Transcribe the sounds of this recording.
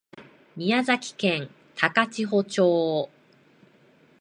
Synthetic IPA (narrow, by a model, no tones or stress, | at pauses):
mʲiazakʲi̥kẽn | t̪ʰakat͡ɕiɦo̞t͡ɕoː